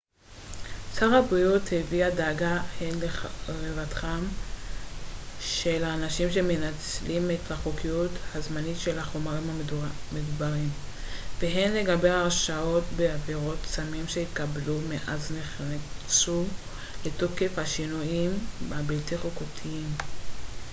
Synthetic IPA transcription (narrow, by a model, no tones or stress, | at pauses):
t͡saʁhabʁijutheviadaːɡaheelevatχam | ʃe̞laːnaʃimʃe̞me̞nat͡slimethaχokijuthazmanitʃe̞lhaχo̞maʁimhamedubaʁim | veɦe̞nle̞ɡabe̞aʁʃao̞tbeaveʁo̞tsamimʃe̞ikablumeʔazneχnat͡su | le̞to̞ke̞fhaʃinujimbabiltiχokotʰiim